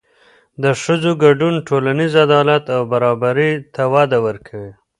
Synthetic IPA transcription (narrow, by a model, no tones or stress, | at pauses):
d̪əʂəzoɡaɖunʈʰolanizad̪ɑlat̪awbaɾɑbaɾit̪awɑd̪awəɾkʰawi